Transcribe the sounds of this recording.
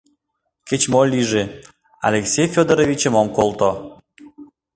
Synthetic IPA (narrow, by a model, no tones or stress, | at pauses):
ket͡ɕmolʲiʒe | ɑ̰lʲeksʲejfʲod̪əɾovʲit͡ɕə̆momkolˠt̪o